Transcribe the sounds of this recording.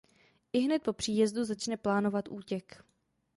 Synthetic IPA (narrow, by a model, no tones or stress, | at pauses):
ʔɪɦnɛt̪̚po̞pr̝̥iːjɛzduzat͡ʃnɛplaːno̞vat̪ʔuːcɛk